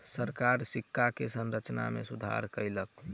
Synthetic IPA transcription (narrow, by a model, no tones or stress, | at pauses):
səɾkaɾsikʰːakesənɾət͡ʃna̰mḛsud̪ʱa̰ɾkəjlək